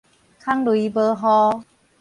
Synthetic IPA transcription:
kʰa˦˥ŋlu˨˦bəː˧ɦɔ˧

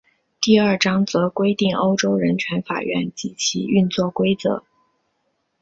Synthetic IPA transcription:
t̪i˥˧ɐ˞˥˩ʈ͡ʂɑ˥ŋt͡sɤ˧˥kwe˥ɪt̪i˥˩ŋo˥ʊʈ͡ʂo˥ʊɻə˧˥nt͡ɕʰɥɛ˧˥nfa̰˨˩ɥɛ̰˥˩nt͡ɕi˧˥t͡ɕʰḭ˧˥y˥˧nt͡swɔ˥˩kwe˥ɪt͡sɤ̰˧˥

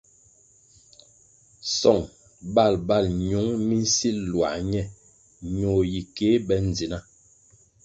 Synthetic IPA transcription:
sɔ˦˨ŋ | ba˦˨lba˦˨lɲu˨˦ŋmi˦n̩˦si˦lwa̰˨ɲɛ˦˨ | ɲo˨ji˨ke˨˦bɛ˦n˨d͡zi˨na˦

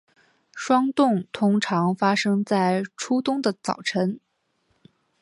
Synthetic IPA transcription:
ʂwɑ˥ŋt̪ʊ˥˩ŋt̪ʰʊ˥ŋʈ͡ʂʰɑ˧˥ŋfa˥ʂɤ˥ŋt͡sa˥˩ɪʈ͡ʂʰu˥t̪ʊ˥ŋd̪ə˨t͡sɑ̰˨˩ʊʈ͡ʂʰə˧˥n

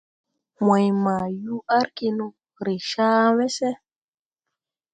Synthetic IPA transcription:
ma˨jma˨ju˦ʔa˦ɾki˦nu˦ | ɾe˨ʃaː˦wɛ˦sɛ˦

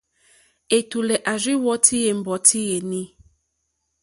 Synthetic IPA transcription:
e˨t̪u˨lɛ˨ʔa˨zi˦wɔ˦tʰi˦je˨m̩˨bɔ˨tʰi˦je˨nĩ˦

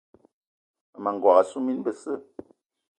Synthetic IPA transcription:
mə˨ŋ̩˨ɡwa˨ɣa˨su˦mi˦nbə˨sə˦˨

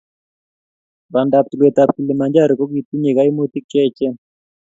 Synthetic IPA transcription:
ba˨nda˨p̚t̪u˨le˨t̪a˨p̚t̪u˨le˨ma˨ɲd͡ʒa˦ɾkɔ˦ɡi˨t̪u˦ɲe˨ka˦i˦mo˦t̪i˦k̚t͡ʃɛ˦˨t͡ʃɛ˦

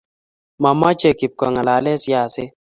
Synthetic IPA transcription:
ma˨ma˦t͡ʃe˨ki˨p̚kɔ˨ŋa˨la˨˦lɛ˦sja˦˨sɪ˦

